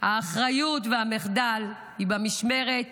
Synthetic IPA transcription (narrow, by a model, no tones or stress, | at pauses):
haːχʁajutveameχd̪al | hibamiʃme̞ʁet